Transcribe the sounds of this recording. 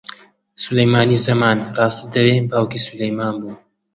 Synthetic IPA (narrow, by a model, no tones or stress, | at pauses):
sulɐjmaːnizɐmaːnrɑːst̪id̪ɐwebaːwkisulɐjmaːnbuː